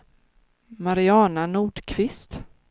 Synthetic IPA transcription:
maɾɪɑːnanuːɖkʰvɪst̪

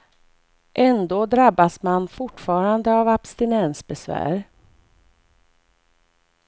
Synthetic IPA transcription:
ʔɛnd̪oːd̪ɾabːasmanfʊʈːfɑːɾand̪əavabst̪ɪnɛnsbɛsvæ̰ːɾ

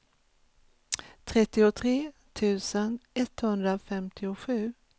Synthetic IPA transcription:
t̪ʰɾɛt̪ːɪʊt̪ʰɾeːt̪ʰʉ̟ːsənɛt̪hɵnd̪ɾafɛmt̪ʰɪʊɧʉ̟ː

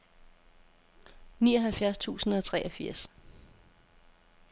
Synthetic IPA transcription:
niːɒ̽ɦælfjæɐst͡sʰṵːsn̩ɒ̽t͡sʰʁɛ̰ʔɒfiɐ̰s

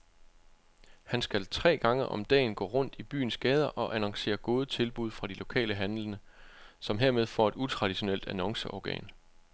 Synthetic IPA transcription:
hænsɡ̥ælt͡sʰʁɛ̰ːɡ̥ɑ̈ŋəʔɒ̽md̥ɛ̰ːnɡ̥ɔ̰̽ːʁɔ̽n̰d̥ib̥y̰ːn̩sɡ̥ɛːð̞ˠɐʔɒ̽ʔænɒ̽ŋse̝̰ːɐɡ̥o̝ːð̞ˠət͡sʰe̝lb̥uð̞ˠfʁɑ̈d̥ilo̝kʰɛ̰ːləɦænlənə | sɒ̽mɦe̝ɐ̰með̞ˠfɒ̰ːe̝d̥ut͡sʰʁɑ̈d̥iɕo̝nel̰d̥ænɒ̽ŋsəʔɒɡ̥ɛ̰ːn

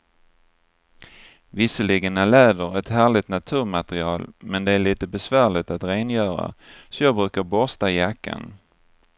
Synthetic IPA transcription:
vɪsəlɪɡnalɛːd̪əɾɛt̪hæːɭɪt̪nat̪ʰʉ̟ːɾmat̪ɾɪɑːlmɛnd̪ɛæɭiːt̪əbɛsvæːɭɪt̪at̪ɾeːnjœːɾa̰sɔjɑːɡ̚bɾʉ̟ːkaɾbɔst̪ajakːa̰n

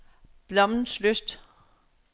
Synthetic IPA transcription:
b̥lɒ̽mn̩sløsd̥

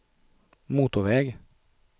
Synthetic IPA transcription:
muːt̪ɔʋɛɡ

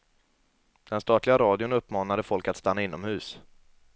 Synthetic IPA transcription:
d̪̥ɛnst̪ɑːt̪lɪɡaɾɑːd̪ɪʊnɵpːmɑːnad̪əfɔlkat̪st̪anːaɪnːɔmhʉ̟ːs

